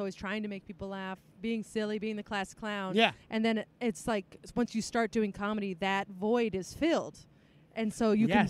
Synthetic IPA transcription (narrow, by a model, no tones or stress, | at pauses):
ɔlˠwiz̥tʰɹ̥aɪɪ̃ŋtʰɨmeɪk̚pʰipl̩ˠlæfb̥iɪ̃ŋsɪlˠibiɪ̃ŋðɨkʰl̥æskʰl̥ãʊ̃njæʔɨ̃nðɨ̃nɪtslaɪkwʌ̃nsjɨstɑɹt̚d̥ʉɪ̃ŋkʰɑmɨɾiðɨtvɔɪɾɨz̥fɪlˠd̥ | ʔɨ̃nsoʊjɨkɨ̃n